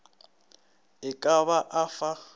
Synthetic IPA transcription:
ɪkʼaβaʔafa

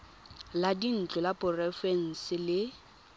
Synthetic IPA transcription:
ladin̩t͡ɬʼɔlapʼʊrɛfen̩sɪlɪ

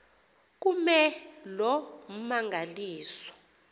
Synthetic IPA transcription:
k̬umɛlɔm̩maŋɡʱaliːsɔ̥

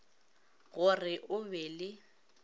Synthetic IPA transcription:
ɣʊrɪʔʊbɛlɪ

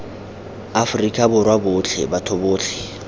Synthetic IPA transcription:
afʊrikʼabʊrwabʊt͡ɬʰɛ̰batʰobʊːt͡ɬʰɛ̥

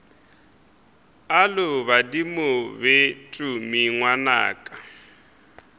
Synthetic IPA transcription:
alʊβadimʊbetʼumiŋwana̰ːkʼa

